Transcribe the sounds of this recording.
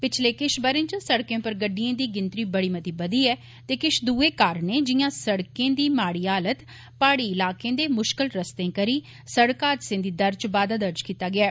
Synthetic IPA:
pɪt͡ʃʰleːkɪʃbəɾẽːt͡ʃə̃səɽkẽːpəɾɡəɖːɪijẽːd̪iːɡɪnt̪ɾiːbəɽiːmət̪iːbəd̪iːɛː | t̪eːkɪʃd̪uːeːkaːɾneːd͡ʒɪjãːsəɽkẽːd̪iːmaːɽiːaːlət̪ | paːɽiːɪlaːkẽːd̪eːmʊʃkɪlɾəst̪ẽːkəɾiː | səɽkaːd̪sẽːd̪iːd̪əɾd͡ʒbaːd̪aːd̪əɾd͡ʒkiːt̪aːɡɪaː

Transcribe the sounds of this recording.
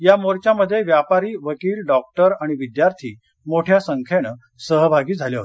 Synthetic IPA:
jamoɾt͡ɕjaməd̪ʱːjeʋjapaɾiːʋəkiːlɖɔk̚ʈəɾaɽ̃iʋid̪jaɾt̪ʰiː | moʈʰjasəŋkʰeɽ̃ə | səɦbʱaɡiːd͡zʱaljeɦoe

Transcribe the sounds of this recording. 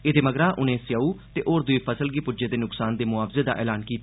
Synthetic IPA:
eːd̪eːməɡɾaːʔʊnẽːsjaːuːt̪eːʔoːɾd̪ʊeːpʰəsəlɡiːpʊd͡ʒeːd̪eːnʊksaːnd̪eːmʊaːfzeːd̪a̰ːʔɛːlaːnkiːt̪

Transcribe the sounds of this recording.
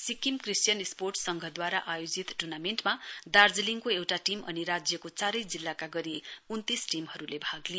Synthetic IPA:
sikimkrisʈjʌnesporʈsʌŋɡʱʌd̪waɾaʔajod͡zit̪ʈunamenʈmad̪ard͡zliŋkoewʈaʈimʔʌ̰niɾad͡zjʌkot͡saɾʌjd͡zilːakaɡʌɾiunt̪isʈimɦʌɾulebʱaɡli

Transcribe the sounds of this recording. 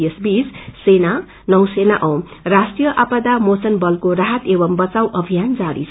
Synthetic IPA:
esbissena | nʌwsenaʔʌwrasʈijʌʔapad̪amot͡sʌnbʌlkoɾaɦʌt̪ebʌmbʌt͡sawʔʌbʱijand͡zaɾḭt͡sʰ

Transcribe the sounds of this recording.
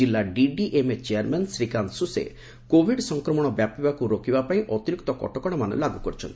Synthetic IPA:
ilːaɖiɖiʔemet͡ʃeaɾmansɾikansusḛ | kobʱiɖsɔŋkɾɔmɔɽ̃ɔbjapibakuɾokibapaĩʔɔt̪iɾikt̪ɔkɔ̰ʈɔkɔɽ̃ɔmanɔ̰laɡukɔɾit͡ʃʰɔnt̪i

